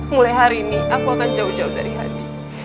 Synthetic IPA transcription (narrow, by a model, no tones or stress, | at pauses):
mulɛɦaɾimiakwakaɲd͡ʒaud͡ʒauda̰ɾiɦa̰di